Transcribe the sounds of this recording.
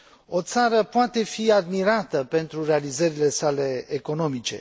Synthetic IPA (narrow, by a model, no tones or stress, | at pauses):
o̞t̪saɾəpoat̪e̞fiad̪miɾat̪əpe̞nt̪ɾure̞alizəɾile̞sale̞ːko̞no̞mit͡ʃe̞̰